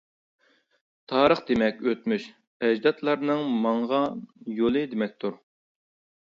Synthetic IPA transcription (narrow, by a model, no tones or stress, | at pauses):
t̪ʰɑːɾəχd̪emɛkʲøt̪myʃ | ɛd͡ʒd̪ɑt̪ʰlˠɑɾnɨŋmɑŋʁɑjolˠɨd̪emɛk̚ʲt̪ʰuɾ